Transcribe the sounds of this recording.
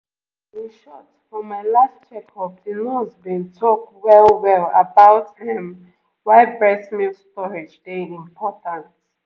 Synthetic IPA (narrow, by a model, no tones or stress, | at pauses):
iʃɔtfɔ̃mːaɪlast͡ʃɛkʰɔfdĩnuzbĩntʰɔk̚wɛlwɛlə̰baʊthɛ̃m | waɪbɹɛsmilstɔɹed͡ʒdeĩmpʰɔtãnt